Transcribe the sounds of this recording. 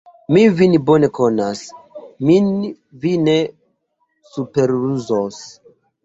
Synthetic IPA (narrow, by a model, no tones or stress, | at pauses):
mivinbo̞ne̞ko̞nasmin | vine | supeɾuzos